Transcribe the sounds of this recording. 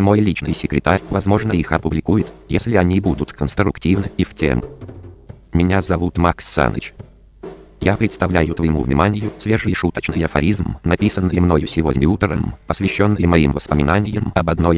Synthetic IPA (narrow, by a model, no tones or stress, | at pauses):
mo̞jlʲit͡ɕnɨjsʲɪkɾʲɪt̪aɾʲvɐzmo̞ʐnəixɐpʊblʲɪkujɪt̪jesʲlʲɪɐnʲibud̪ʊt̪kənst̪ɾʊktʲivnɨiftʲḛmʊ | mʲɪnʲazɐvut̪maksːa̰nə̰t͡ɕ | japɾʲɪt̪st̪ɐvlʲæjʊt̪vəjɪmṵvnʲɪ̰manʲɪjʊsvʲeʐɨjʂut̪ət͡ɕnɨjɐfɐ̰ɾʲizmnɐpʲisənːɨjəmno̞jʊsʲɪvo̞dʲnʲut̪rə̰mpəsvʲɪɕːo̞nːɨjəmɐimvəspəmʲɪnanʲɪjəmɐbɐd̪no̞j